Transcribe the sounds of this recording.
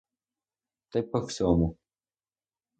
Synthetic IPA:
t̪ɐjpɐwsʲɔmu

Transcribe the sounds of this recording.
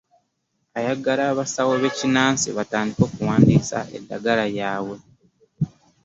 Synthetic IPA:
ajaɡalaːβasawoβe̞cinaːnsḭβataːndiko̞ːkuwaːndiːsa̰ʔe̞̰dːaɡalajaːwe̞

